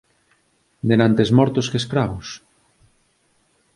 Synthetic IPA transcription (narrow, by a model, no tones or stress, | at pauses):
d̪enant̪ezmɔɾt̪ʊskeskɾaβʊs